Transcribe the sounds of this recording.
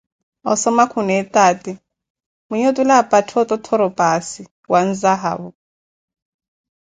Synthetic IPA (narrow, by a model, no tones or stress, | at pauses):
ɔ̰sɔmakʰunɛɛtʼaːti | muɲotulapʼatʰɔtɔtʰɔɾɔpʼasi | wan̩zaɦa̰ːβɔ